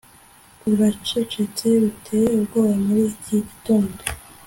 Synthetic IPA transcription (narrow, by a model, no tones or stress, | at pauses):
uβat͡ʃet͡ʃet͡seβitʰejeubɡoːβamuɾiciɟitoːndo